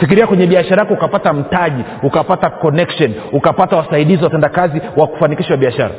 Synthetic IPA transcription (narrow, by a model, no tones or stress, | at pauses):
fikiɾiakwɛɲɛɓiaʃaɾajakɔukapatam̩taʄi | ukapatakɔnɛkʃɔnukapatawasaiɗiziwatɛndakaziwaku̥fanikiʃawaɓiaʃa̰ɾa̰